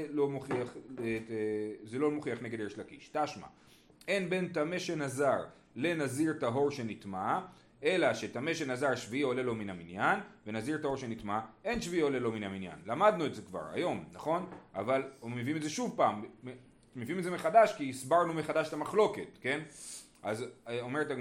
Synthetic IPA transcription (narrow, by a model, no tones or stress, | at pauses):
lo̞moχiaχe | zelo̞moχiaχne̞ɡed̪eʃlakiʃtaʃma̰ | e̞nbe̞ntameʃe̞nazaʁ | le̞naziʁtaɦo̞ʁʃe̞nit̪ma | e̞laʃe̞tame̞ʃe̞nazaʁʃviio̞le̞lo̞minaminjanve̞naziʁtaɦo̞ʁʃe̞nit̪mae̞nʃviiole̞lo̞minaminja̰nlamad̪nuetze̞kva̰ʁa̰jo̞mnaχo̞navalomeviimetzeʃuvpaːm | meviimedzemeχad̪aʃkiːsbaʁnumeχad̪aʃtamaχlo̞ke̞tke̞n | ʔazo̞me̞ʁeta